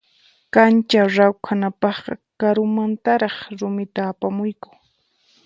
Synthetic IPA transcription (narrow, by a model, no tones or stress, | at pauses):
kant͡ʃaɾawkʰanapɑχqɑ̰kaɾʊmant̪aɾɑχɾʊmɪt̪aːpamʊjkʊ̥ŋ